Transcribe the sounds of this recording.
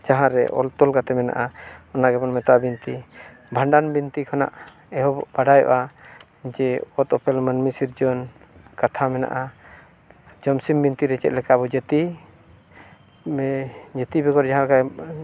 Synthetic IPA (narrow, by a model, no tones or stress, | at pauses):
d͡ʒaɦãɾɛ̰ʔɔ̰lt̪ɔlɡat̪ɛmɛna̰ʔaɔnaɡɛbɔnmɛt̪aʔbint̪i | bʱaɳɖanbint̪ikʰana̰ʔ | ɛɦɔbaɖajɔ̰ʔa | d͡ʒɛɔt̪ɔpɛlmənmisiɾd͡ʒɔn | kat̪ʰamɛna̰ʔa | d͡ʒɔmsimbint̪iɾɛt͡ʃɛ̰t̪̚lɛkabɔd͡ʒət̪i | d͡ʒət̪ibɛkɔɾd͡ʒaɦãkaj